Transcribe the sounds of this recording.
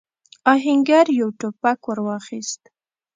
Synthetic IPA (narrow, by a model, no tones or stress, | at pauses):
ɑɦɪŋɡaɾjawʈopakwəɾwɑxist̪